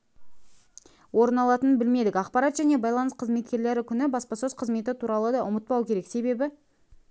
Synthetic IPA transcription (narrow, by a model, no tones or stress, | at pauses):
wo̞ɾənɑlˠɑt̪ənbɪlme̞d̪ɪkʲɑqpɑɾɑt̪ʒæne̞bɑjlˠɑnəsqʰəzme̞t̪̚kʲe̞ɾle̞ɾɪkʲʰʏnɪbɑspɑsøzqʰəzme̞t̪ɪt̪ʰuɾɑlˠəd̪ɑʔʊmət̪̚pɑwkʲʰe̞ɾe̞kse̞be̞bɪ